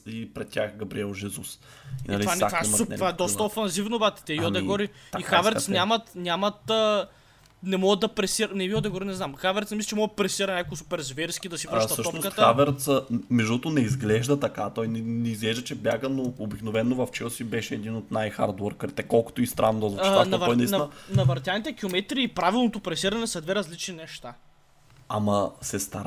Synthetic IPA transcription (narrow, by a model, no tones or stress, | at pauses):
ipɾɛt̪ʲtʲaxɡɐbɾiɛlˠʒɛzus | inɐlivaaatovaɛd̪ɔst̪əofɐnzivnobat̪ɛ̥t̪ɛiɔɛɡoɾiixavɛɾt̪snʲamɐt̪nʲamɐt̪ə | nɛmɔɡəd̪ɐpɾɛsiɾnɛiod̪ɛɡoɾinɛznamxavɛɾt̪smislt͡ʃɛmɔɡət̪pɾɛsiɾɐnʲakoɡsu̥pɛɾzvɛɾskid̪ɐsivɾəʃsət̪əʃɔnoskət̪əavɛɾt̪səmɛʒd̪oɔt̪onɛizɡlɛʒd̪ɐt̪ɐkat̪ɔjnnɛizɡlɛʒd̪ət͡ʃɛbjaɡənoobiknovɛnːovɐft͡ʃɛlˠsibɛʃɛɛd̪inot̪najxa̰ɾd̪wɛɾkəɾit̪ɛkɔlˠko̥t̪oist̪ɾʔanːod̪ɔzt͡ʃitvanɐvɔjnɐisnnɐvɐɾt̪janit̪ɛkilˠomɛt̪ɾiːpɾavilˠnot̪opɾɛsiɾɐnɛsɐd̪vɛɾɐzlit͡ʃninɛʃt̪a | a̰mɐsɛst̪aɾ